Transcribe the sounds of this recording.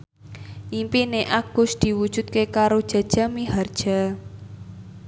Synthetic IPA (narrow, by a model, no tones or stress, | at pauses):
ʔimpineʔaɡ̥ʊsd̪̥i̤wud̥ʒ̥ṳt̪̚kekaɾod̥ʒ̥a̤d̥ʒ̥a̤miɦard̥ʒ̥a